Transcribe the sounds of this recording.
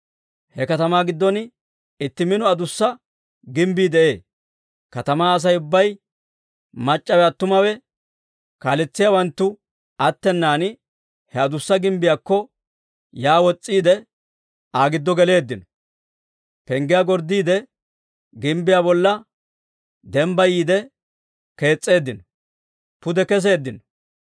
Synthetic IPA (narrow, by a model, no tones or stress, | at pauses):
hɛkɐt̪ɐmaːɡɪd̪ːɔn | ɪt̪ːɪmɪnɔɐd̪ʊsːɐ | ɡɪmbiːd̪ɛʔe̞ː | kɐt̪ɐmaːɐs̬ɐjʊbːɐj | mɐt͡ʃʼːɐwɛɐt̪ːʊmɐwɛ | kaːlɛt͡sːɪjawɐnt̪ːʊ | ɐt̪ːɛnːaːn | hɛɐd̪ʊsːɐɡɪmbɪjakːɔ | jaːwɔt͡sʼːiːd̪ɛ | aːɡɪd̪ːɔɡɛle̞ːd̪ːɪnɔ | pɛŋɡɪjaɡɔɾd̪ːiːd̪ɛ | ɡɪmbɪjabɔlːɐ | d̪ɛmbɐjiːd̪ɛ | ke̞ːt͡sʼːe̞ːd̪ːɪnɔ | pʊd̪ɛkɛs̬e̞ːd̪ːɪnɔ